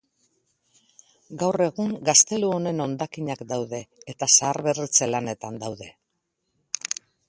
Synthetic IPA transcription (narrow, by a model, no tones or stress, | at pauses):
ɡawre̞ɣuŋɡast̪e̞luo̞ne̞no̞nd̪akiɲakd̪awðe̞ːt̪asaːɾβe̞rit͡selane̞t̪and̪awðe̞